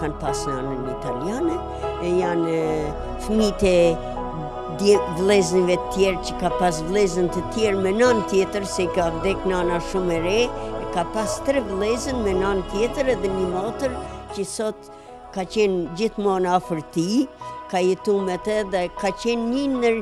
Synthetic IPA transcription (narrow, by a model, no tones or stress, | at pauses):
kanpasnanənit̪aljanɛ | ɛjan | fmit̪ɛ | d̪ɛvlˠɛznivɛt̪ət̪jɛɾcəkapas̬vlˠɛzənt̪ət̪jɛɾmɛnant̪jɛt̪əɾsɛikavd̪ɛknanaʃumɛɾɛɛkapast̪ɾɛvlˠɛzənmɛnant̪jɛt̪əɾɛðɛɲəmɔt̪əɾcəsɔt̪ | kat͡ɕɛnd͡ʑiθmɔnafəɾt̪ikajɛt̪umɛt̪ɛðɛkacɛnɲənəɾ